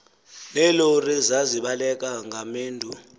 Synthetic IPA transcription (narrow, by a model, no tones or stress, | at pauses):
lɛlorizaziɓalɛk̬ʼaŋʱameːndʱu